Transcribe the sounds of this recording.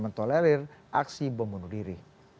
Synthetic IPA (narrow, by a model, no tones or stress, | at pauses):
mənt̪olɛɾɪrʔaksibəmunudiɾih